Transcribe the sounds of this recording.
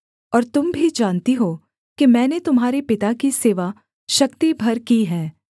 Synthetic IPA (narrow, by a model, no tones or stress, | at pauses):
ɔːɾt̪ʊmbʱid͡ʒaːnt̪iɦoː | kimɛ̃ːnet̪ʊmɦaːɾepɪt̪akiseːʋa | ʃɐkt̪ibʱɐɾkiɦɛ̃ː